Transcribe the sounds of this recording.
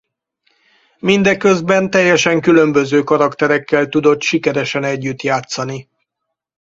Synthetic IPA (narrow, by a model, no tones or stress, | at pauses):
mind̪ɛkø̞zbɛnt̪ɛjːɛʃɛŋkylø̞mbø̞zøːkɒɾɒkt̪ɛɾɛkːɛlt̪ud̪o̞t̪ʃikɛɾɛʃɛnɛɟːyt̪jaːt̪sɒni